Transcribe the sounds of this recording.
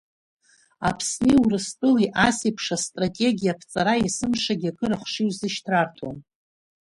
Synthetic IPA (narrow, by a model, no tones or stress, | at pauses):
a̰pʰsniwurɨstʼɨliʔasipʰʂastʼratʼe̞ɡʲijapʰt͡sʼaɾaisɨmʂaɡʲakʼɨɾaχʷʂiwzɨʃtʰrartʰon